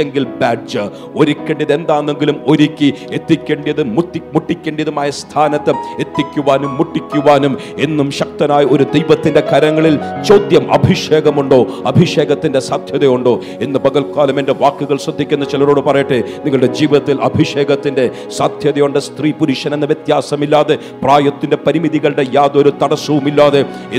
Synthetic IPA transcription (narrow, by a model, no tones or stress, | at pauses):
eŋɡilbaːɖd͡ʑɨ | o̞ɾikʲːeːɳɖiɐðe̞nd̪aːnːeŋɡilumo̞ɾikʲːiet̪ːikʲːeːɳɖijɐðɨmumuʈːikʲːeːɳɖijɐðumaːjɐst̪ʰaːnɐt̪ːɨe̞t̪ːikʲːuʋaːnumːuʈːikʲːuʋaːnum | e̞nːumɕɐk̚t̪ɐnaːjɐo̞ɾud̪ejʋɐt̪ːinde̞kɐɾɐŋːɐɭilt͡ɕoːd̪jɐmʔɐ̰bʱiʂeːɡɐmuɳɖo̞ːɐbʱiʂe̞ːɡɐt̪ːindesaːd̪ʱjɐðɐjuɳɖo̞ː | e̞nːɨbɐɣɐlkaːlɐmende̞ʋaːkːuɣɐɭsrɐd̪ʱːikʲːunːɐt͡ɕilɐɾo̞ːɽɨpɐrɐjiʈːɨniŋːɐɭɨɽe̞d͡ʑiːʋiðɐt̪ːilʔɐ̰bʱiʂe̞ːɡɐt̪ːinde̞ | saːd̪ʱjɐðɐjuɳɖɨst̪riːpuɾuʂɐne̞nːɐʋjet̪jaːsɐmilːaːðe | praːjɐt̪ːinde̞pɐɾimiðiɣɐɭɽe̞jaːd̪oɾut̪ɐɽɐsːuʋumilːaːðe